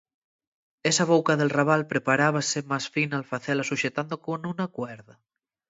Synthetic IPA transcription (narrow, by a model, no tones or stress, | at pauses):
esaβ̞owkaðelraβ̞alpɾepaɾaβ̞asemasfinalfaθɛlasuʃet̪and̪okonunakwɛɾða